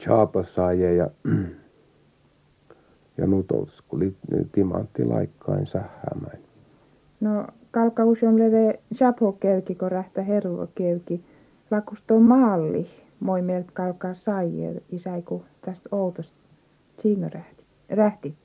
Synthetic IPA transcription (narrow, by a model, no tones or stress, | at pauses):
t͡ʃʰɑːpɑsɑjejɑ | jɑ̰nut̪o̰lskulit̪imɑnt̪ːilɑikːɑinsæhːæ̰ːmænʲ | no | kɑlkɑhusonleʋeˑʃɑphokeykikoræht̪æherʋo̰keyki | lɑkust̪omɑːlːi | moimelt̪kɑlkɑːˑsɑijḛisæikut̪æst̪out̪ost̪ | siːnoræht̪i̥ | ræht̪it̪ː